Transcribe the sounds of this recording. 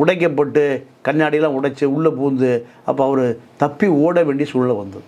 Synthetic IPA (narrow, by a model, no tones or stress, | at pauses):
ʊɽɐɪk̬ːɐpːɐʈːɯkɐnjaːɽɪjɐlãːʊɽɐt͡ʃːɯʊɭːɐpuːnd̪ɯ | ɐ̰pːõɐʋɐɾɯt̪ɐpːioːɽɐʋeːɳɖisuːlɐlɐʋɐnd̪ɯ